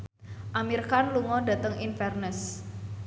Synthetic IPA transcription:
ʔamirkanluŋɔda̤t̪əŋʔinfɛrnəs

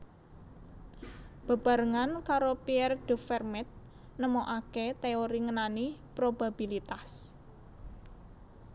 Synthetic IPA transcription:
b̥a̤b̥a̤ɾəŋankaɾopiɛrd̪̥ə̤fɛrmɛt̪̚ | nəmoʔaket̪eoɾiŋənanipɾob̥a̤b̥ilit̪as

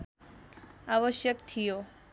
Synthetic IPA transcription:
aʋəʃjəkt̪ʰijo

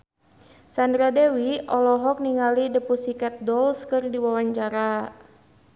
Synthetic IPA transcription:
sandɾadewiɔlɔɦɔk̚niŋalidəpusikɛt̪̚dɔlskɨrdiwawaɲt͡ʃaɾa

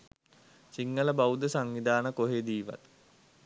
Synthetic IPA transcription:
siŋɡələbaud̪əsaŋʋid̪aːnəkoɦeːd̪iːʋa̰t̪

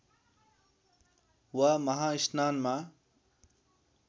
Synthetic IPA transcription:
wamɐɦãːiʃnaːnmãː

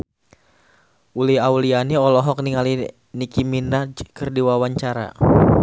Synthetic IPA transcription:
uliɦaulianiɔlɔɦɔk̚niŋali | nikiminad͡ʒkərdiwawaɲt͡ʃaɾa̰

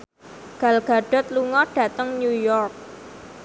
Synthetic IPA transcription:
ɡ̥a̤lɡ̥a̤ɖ̥ɔ̤t̪̚luŋɔɖ̥ä̤t̪əŋnujɔrk̚

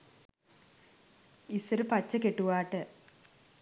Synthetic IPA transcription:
isɐɾɨpɐt͡ɕːɐkeʈːuʋaːʈːɨ

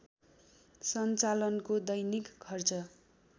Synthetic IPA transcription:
sʌnt͡salʌnkod̪ʌjnikkʰːʌrt͡sʌ

